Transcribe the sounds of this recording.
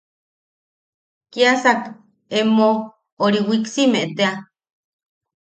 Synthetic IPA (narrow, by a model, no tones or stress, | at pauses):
kiasak | emo | oɾiwiksimeʔt̪ea